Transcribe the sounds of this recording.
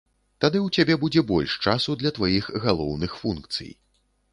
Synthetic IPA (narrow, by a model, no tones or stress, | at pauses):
t̪ad̪ɨwt͡sʲabʲɛbud͡zʲɛbɔlʲʂt͡ʂasud̪lʲɐt̪vajixɣalˠɔwnɨxfunkt̪sɨ̰j